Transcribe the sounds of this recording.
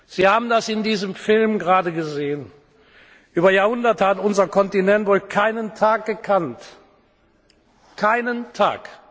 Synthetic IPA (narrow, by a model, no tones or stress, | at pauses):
z̥iːhaːbm̩dasɪndiːzəmfɪlmɡəʁaːdəɡəzeːən | ʔyːbɐjaːɐhʊndɐtəhatʊnzɐkɔntinɛntvoːlkʰaɪnəntʰaːk̚ɡ̥əkʰant | kʰaɪnəntʰa̰ːk